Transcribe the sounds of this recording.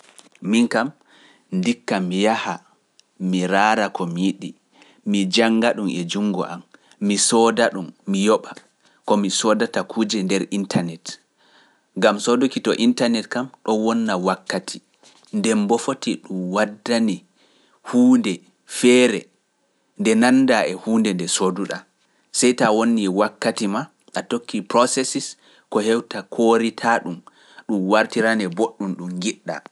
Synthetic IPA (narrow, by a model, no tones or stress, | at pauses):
miŋkam | ndikːamijaha | miɾaːɾakʰɔmiɗi | mid͡ʒaŋɡaɗumɛd͡ʒuŋɡɔ̰ʔamː | isɔdaɗumːijɔɓa | kɔmisɔdatakʰuːd͡ʒɛndɛɾʔintʰanɛt | ŋɡamsɔdokitɔ̰ʔintanɛtkamɗɔwɔnːawakːatʰi | ndɛmbɔfotiɗumwadːani | huːndɛ | fɛɾɛ | ndɛnanːdaʔɛhuːndɛndɛsoduɗa̰ | sɛjtawonːiwakːatima | ʔatokʰːipɾɔsɛsis | kɔhɛwtakʰoɾitʰaɗum | ɗumwaɾtiɾanɛboɗːumɗumɡiɗːa̰